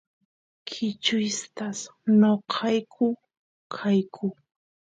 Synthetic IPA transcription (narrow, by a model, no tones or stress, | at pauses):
kʰɪt͡ʃʊjst̪asnoqʰɑjkʰʊ | kʰajkʰʊ